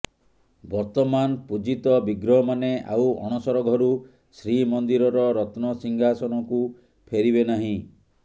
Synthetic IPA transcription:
bɔɾt̪ɔmanpud͡ʒit̪ɔbiɡɾɔmanea̰wɔ̰̃ɔsɔɾɔɡʱɔɾu | sɾimɔnd̪iɾɔɾɔɾɔt̪nɔsiŋɡʱasɔñɔku | pʰeɾibenaɦĩ

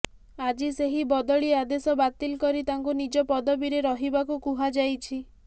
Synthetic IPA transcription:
ad͡ʒiseɦibɔd̪ɔɭiad̪esɔbat̪ilkɔɾit̪aŋkunid͡ʒɔpɔd̪ɔbiɾeɾɔɦibakukuɦad͡ʒajt͡ʃʰi

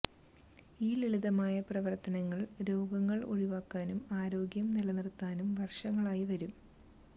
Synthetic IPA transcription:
iːliɭiðɐmaːjɐprɐʋɐrt̪ɐnɐŋːɐɭɾo̞ːɡɐŋːɐɭo̰ɻiʋaːkːaːnumaːɾo̞ːɡjɐmnilɐnirt̪ːaːnumʋɐrʂɐŋːɐɭaːjiʋɐɾum

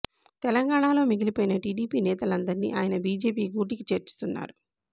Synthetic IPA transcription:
t̪ɛlɐŋɡaːɳaːlo̞ːmiɡilipoːjinɐʈiːɖiːpiːnɛːt̪ɐlɐnd̪ɐɾinḭʔaːjɐnɐbiːd͡ʒe̞ːp̬iːɡuːʈikit͡ʃeːɾt͡ʃu̥st̪unːa̰ːɾu

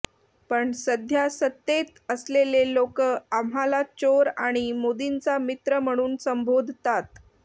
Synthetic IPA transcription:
pəɳsəd̪ʱjasət̪ːet̪əslelelokəam̤ɦalat͡ɕoɾaɽ̃imod̪int͡samit̪ɾəm̤əɽ̃uːnsəmbʱod̪ʱt̪at̪

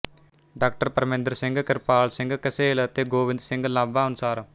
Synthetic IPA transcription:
ɖaːk̚ʈəɾpəɾmẽnd̪əɾsɪŋɡkɪɾpaːlsɪ̃ŋɡkəseːlt̪eːɡoːʋɪ̃nd̪sɪŋɡlaːbãːənʊsaːɾ

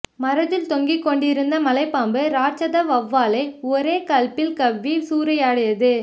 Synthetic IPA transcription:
mɐɾɐðɪlt̪ɔŋɡikːɔɳɖɪɾɯnd̪ɐmɐlɐɪpːaːmbɯɾaːt͡ʃɐðɐʋɐʋːaːlɐɪɔɾeːkɐɭpɪlkɐʋːisuːɾɐjaːɽɯjɐðɯ

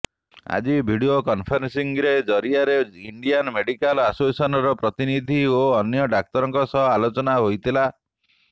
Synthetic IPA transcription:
a̰d͡ʒibʱiɽiokɔnpʰɔɾensiŋɾed͡ʒɔɾiaɾeiɳɖianmeɖikalasoesɔnɔɾɔpɾɔt̪inid̪ʱioɔnjɔɖak̚t̪ɔɾɔŋkɔsɔɦɔalot͡ʃɔnaɦojt̪ʰila

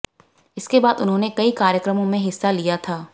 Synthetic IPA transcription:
ɪskebaːd̪ʊnɦõːnekɐikaːɾjəkɾəmõmẽɦɪsːalijat̪ʰaː

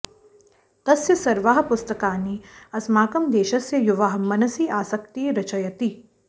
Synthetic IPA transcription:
t̪ɐsjɐsɐɾʋaːɦɐ̆pʊst̪ɐkaːniɐsmaːkɐmd̪eːʃɐsjɐjuʋaɦɐ̆mɐnɐsiːʔaːsɐkt̪iːɾɐt͡ʃɐjɐt̪i

